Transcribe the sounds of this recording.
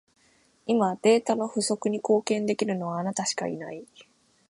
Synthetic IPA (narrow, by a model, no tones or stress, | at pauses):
imad̪̥e̞ːt̪ano̞ɸɯ̟so̞kɯ̟ɲ̟iko̞ːkẽ̞nd̪e̞kʲiɾɯ̟no̞βaːnat̪aɕi̥ka̰ḭnai